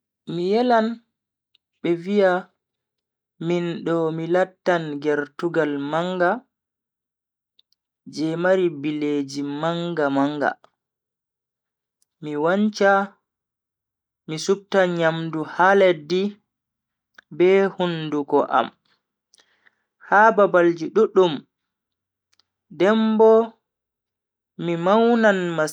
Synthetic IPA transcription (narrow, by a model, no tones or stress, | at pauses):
mijɛlan | ɓɛvija | minɗɔmilatːanɡɛɾtuɡalmaŋɡa | d͡ʒɛmaɾibileːd͡ʒimaŋɡamaŋɡa̰ | miwaɲt͡ʃa | misub̚taɲamduhalɛdi | bɛhundukɔʔa̰m | haːbabald͡ʒiɗuɗum | dɛmbɔ | mimawnanma